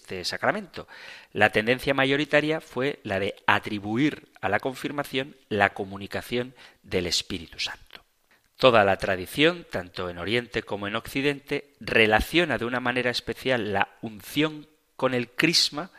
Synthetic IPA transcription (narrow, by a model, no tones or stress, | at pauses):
t̪esakɾamẽ̞nt̪o̞lat̪e̞nd̪e̞nθjamaʝo̞ɾit̪aɾjafwe̞laðe̞at̪ɾiβuiɾalako̞ɱfiɾmaθjõ̞nlako̞mũnikaθjo̞nd̪e̞le̞spiɾit̪u̥sḁnt̪o̥ | t̪o̞ðalat̪ɾaðiθjo̞nt̪ant̪o̞eno̞ɾje̞nt̪e̞ko̞moe̞no̞kθiðe̞nt̪e̞ | re̞laθjo̞naðeunamãne̞ɾaespe̞θjalːaunθjo̞ŋ | ko̞ne̞lkɾizma